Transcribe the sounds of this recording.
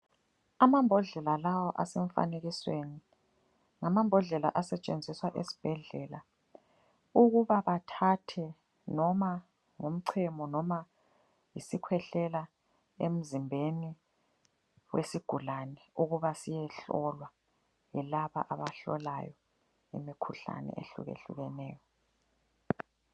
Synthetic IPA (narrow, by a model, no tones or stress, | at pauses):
amambʱɔɮɛlalawɔʔa̰sɛɱfa̰neɣisweni | ŋamambʱɔɮɛla̰ʔasɛt͡ʃʼend͡zʱiswaʔesi̥b̥ʱɛɮɛla̰ | uɣuβaβatʰatʰɛ | nɔma | ŋum̩ǀʰɛmɔnɔma | jisikʰwɛɬɛla | em̩zimbʱeni | wesiɡ̥ʱulanɛuɣuβasijɛɬɔlwa | jɛlaβa̰ʔaβaɬɔ̰la̰jɔ | ḭmikʰuɬa̰nɛ̰ʔḛɬṵɣḛɬṵɣɛnɛːjɔ